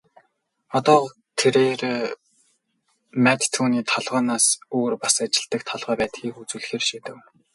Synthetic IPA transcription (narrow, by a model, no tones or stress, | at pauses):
ɔt̪ɔː | t̪ʰeɾeːɾeː | mæt̪t̪ʰːuːniːt̪ʰɔɮʁɔːnaːsoːrpasat͡ɕɪ̆ɮt̪ə̆kt̪ʰɔɮʁœːpæːt̪xiːxut͡sŭːɮxeːrʃeːt̪ɘ̆k